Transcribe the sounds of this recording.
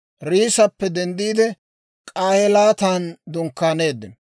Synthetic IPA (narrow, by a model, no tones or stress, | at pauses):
ɾiːsɐpːɛd̪ɛnd̪iːd̪ɛ | kʼaːhɛlaːt̪aːnd̪ʊŋkːaːne̞ːd̪ːɪn